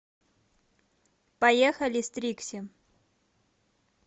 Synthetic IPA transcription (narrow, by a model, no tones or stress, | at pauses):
pɐjexɐlʲɪst̪ɾʲiksʲɪ